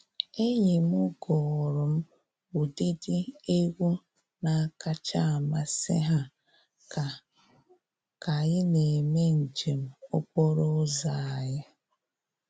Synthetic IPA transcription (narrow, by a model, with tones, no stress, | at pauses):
e˦ɲe˨m˦ʊ˦ɡɔ˨ɾʊ˨m̩˦ | u˨di˦di˦e˦ɣʷu˦ | na˨a˦˨ka˦t͡ʃa˦a˨ma˦sɪ̰˦ɦa˦˨ | ka˨ɣɪ˦ne˨me˦n̩˨d͡ʒe˨m̩˨ʊ˦k͡pɔ˦ɾɔ˦za˨a˨ja˦